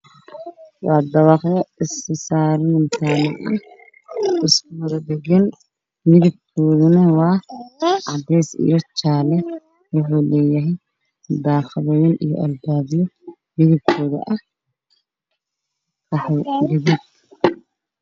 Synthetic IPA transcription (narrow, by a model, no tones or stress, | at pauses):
wɑːd̪ɐβɑχjɐɪsɪsaːɾɪnɪnt̪ʰaːnɐʔɐ | ɪskʰʊwɐðɐd̪ɛɡɐn | mɪðɪb̚kʰɔːðʊnɐwɑːʔɑd̪ɛjsḭjɔt͡ʃaːlɛ | wʊħuːlɛːjɐɦɛj | d̪aːχɪðɐjɐnijɔ̰ʔɐlbaːβɪjɔ | mɪðɪb̚kʰɔːðɐ̰ʔɐh | rɑħɛjɡɐðib̚